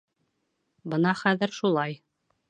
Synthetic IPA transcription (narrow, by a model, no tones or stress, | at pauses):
bɤnɑχæðɘ̆ɾʃulˠɑj